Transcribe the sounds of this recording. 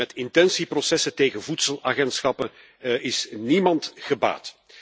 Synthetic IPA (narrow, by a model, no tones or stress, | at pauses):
ɛtɪntɛnsiprosɛsəteːɣənvutsəlˠaːɣɛntsxɑpən | ɪsnimɑntɣəba̰ːt